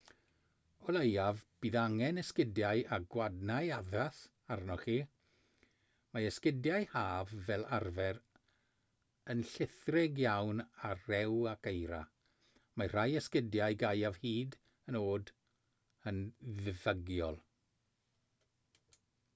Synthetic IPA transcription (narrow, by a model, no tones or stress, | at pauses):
ɔlˠejavb̥iːðaŋɛnəskɪdjajʔaɡwadnajaðaθ | arnɔχi | maəskɪdjajhaːvːɛlˠarvɛr | ənɬɪθrɪɡjawnarɛwakʰejɾa̰ | mar̥ajəskədjajɡajavhiːd | ənoːd | ənðɪvəɡjɔlˠ